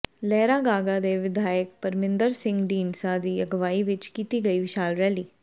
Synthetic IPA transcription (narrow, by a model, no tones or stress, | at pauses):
lɛːɾaːɡaːɡad̪eːʋɪd̪ʱaːjək̚pəɾmɪ̃nd̪əɾsɪ̃ŋɡɖiːnsaːd̪iːəɡəʋaːiʋɪt͡ʃkiːt̪iːɡəiːʋɪʃaːlɾɛːliː